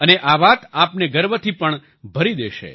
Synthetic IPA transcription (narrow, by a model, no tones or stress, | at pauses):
əneʔaʋat̪apneɡəɾʋət̪ʰipəɳ | bʱəɾid̪eʃḛ